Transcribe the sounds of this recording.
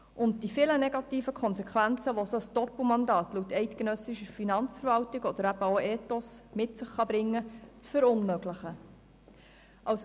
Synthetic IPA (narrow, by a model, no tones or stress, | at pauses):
ʔʊnt̚d̥ifɪləneɡɑtiːfəkʰχɔnsɛkʰʋænt͡səʋososd̥ɔpl̩mɑndɑːtlutːɛɪtkenœsɪʃəfinɑnt͡sfəɾʋɑltɪɡɔd̥̪əɾæb̥əoɛːtosmɪtsəχːɑbɾɪŋːət͡sfəɾʊnmøɡlɪχə | ʔɑws